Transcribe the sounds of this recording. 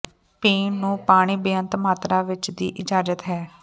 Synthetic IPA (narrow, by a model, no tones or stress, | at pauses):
peːnːũːpaːɽ̃iːbɪjənt̪maːt̪ɾaːʋɪt͡ʃd̪ḭːʔɪd͡ʒaːd͡ʒət̪ɦɛː